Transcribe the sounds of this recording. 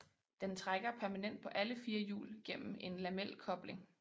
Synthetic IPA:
d̥ent͡sʰʁaɡ̥ɐpʰæɐmænen̰d̥̚pʰɒ̽ʔæləfiːɐjṵːlɡ̥em̰m̩e̝nlæmel̰kʰɒ̽b̥le̝ŋ

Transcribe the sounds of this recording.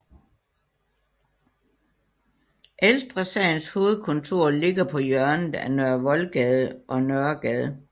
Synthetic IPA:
ʔeld̥ʁɐsɛɪn̩sho̝ːð̩ˠkʰɔ̽nt͡sʰo̝ɐ̰le̝ɡ̥ɐpʰɒ̽jœɐnð̩ˠænøɐʋɒ̽lɡ̥ɛðˠəʔɒ̽nœɐɡ̥ɛð̩ˠ

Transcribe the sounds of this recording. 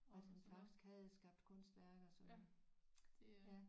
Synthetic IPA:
ælsɒnfɑ̈ɡ̥d̥i̥sɡ̥hæð̩ˠsɡ̥ɑ̈b̥̚d̥kʰɔ̽n̰sd̥ʋæɐɡ̥ɒsɒ̽n | jæ

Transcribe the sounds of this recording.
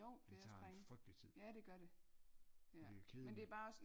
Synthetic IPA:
o̰d̥eɑ̰̥ʁeŋfʁœɡ̥d̥it͡sʰið̰ˠjæɾ̥e̝ɡ̥ɶɐɾ̥e̝ | jæikʰeðˠmend̥e̝æɐb̥ɑ̈ːɒ̽s

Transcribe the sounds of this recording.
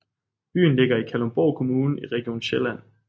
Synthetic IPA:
b̥y̰ːn̩le̝ɡ̥ɐikʰælomb̥ɒʊkʰo̝muːnn̩iʁɛɡ̥io̝̰ːn̩ɕelæn̰

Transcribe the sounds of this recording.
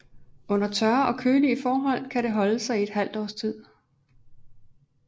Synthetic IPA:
ɔ̽n̰ɐt͡sʰɶɐɒ̽kʰøːliəfɒːɦɒ̽l̰kʰæɾe̝ɦɒ̽ləsɑ̈ɪied̥ɦæl̰d̥ɒ̰ːst͡sʰið̰ˠ

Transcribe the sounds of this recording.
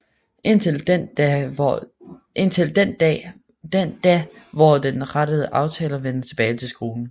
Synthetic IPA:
en | e̝n̰t͡sʰe̝ld̥end̥̰ | d̥end̥ɛʋɒd̥enʁaɾ̥əð̞ˠəʔɑ̈ʊt͡sʰɛ̰ːlɐʋen̰ɐt͡sʰe̝b̥ɛːɪt͡sʰe̝lsɡ̥o̝ːln̩

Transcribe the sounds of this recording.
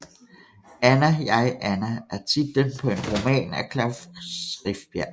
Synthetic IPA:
ænæjɑ̈ɪʔænæʔæɐt͡sʰid̥ːempʰɒ̽e̝nʁo̝mɛ̰ːnækʰlɑʊfsʁifd̥̚b̥jæɐ̰

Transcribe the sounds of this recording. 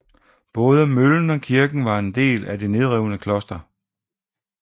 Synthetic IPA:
b̥ɔ̽ːð̞ˠəmøln̩ɒ̽kʰiɐɡ̥n̩ʋɑ̈e̝nd̥e̝̰ːlædene̝ð̞ˠʁɛʊnəkʰlɒ̽sd̥ɐ

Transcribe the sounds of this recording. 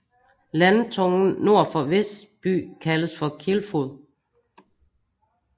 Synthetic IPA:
lænt͡sʰɔŋn̩no̝ɐ̰fɒ̽ʋesb̥y̰ːkʰæləsfɒ̽kʰelfoð̰ˠ

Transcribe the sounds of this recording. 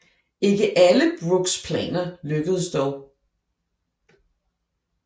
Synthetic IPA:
e̝ɡ̥əʔæləb̥ʁuɡ̥spʰlɛ̰ːnɐløɡ̥əð̞̩ˠsd̥ɒʊ

